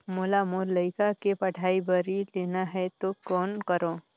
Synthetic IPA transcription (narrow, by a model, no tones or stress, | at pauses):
mʊlamoːɾləɪkakepɐʈʰaːibəɾileːnaɦɛt̪okɔːnkəɾoː